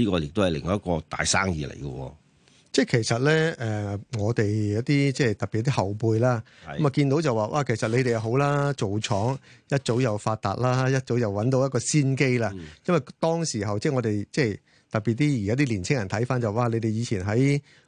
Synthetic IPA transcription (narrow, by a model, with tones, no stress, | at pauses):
liː˥kɔː˧jɪ˨k̚t̪o˥whɐ˨jlɪ̰˨˩ŋːɔː˨˦ɐ˥kɔː˧t̪a̰ː˨jsaː˥ŋjḭː˨˧lḛ˨˩jɡə̰˧wɔ̰ː˧ | t͡sɛː˥˩kʰe˨˩jsɐ˨t̚lɛː˥ʔɛ˨ŋɔː˨˧t̪e˨jjɐ˨˥wt̪iː˥t͡sɛ˥t̪ɐ˨piː˨ɐ˧˥t̪i˥hɐ˨˩wpuː˧jlaː˥ | kɐ˦maː˨kiː˧nt̪o˨˥wt͡sɐ˨waː˨ʔa̰˧kʰe˨˩sɐ˨t̚le˨˧jt̪e˨jɐ˨wɦo˨˥wlaː˥t͡so˨wt͡ʃʰɔː˨˥ŋjɐ˥t̚t͡so˨˥wjɐ˨wfaː˧t̚t̪a̰ː˨t̚laː˥jɐ˥t̚t͡so˨˥wjɐ˨wwɐ˨˥nt̪o˧wjɐ˥tkɔː˧siː˥nke˥jlaː˧jɐ˥nwɐ˨jt̪ɔː˥ŋsiː˨˩ɦɐ˨wt͡sɛː˥˩ŋɔː˨˧t̪e˨jt͡sɛː˥˩ | t̪ɐ˨k̚piː˨t̚t̪iː˥jaː˥t̪̬iː˥liː˨˩nt͡sʰɪ˥ŋjɐ˨˩nt̪ʰɐ˨˥jfaː˥nt͡sɐ˨wa˨˩wʔaː˧le˨˧jt̪e˨jiː˨˧t͡sʰiː˨˩nɦɐ˨˥j